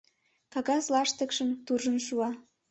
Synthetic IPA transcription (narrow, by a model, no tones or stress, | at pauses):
kɑɣɑslɑʃt̪əkʃəmt̪urʒənʃuɑ